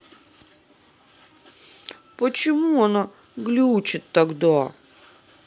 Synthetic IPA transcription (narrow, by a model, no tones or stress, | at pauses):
pət͡ɕɪmuɐna | ɡlʲut͡ɕɪt̪ːɐɡd̪a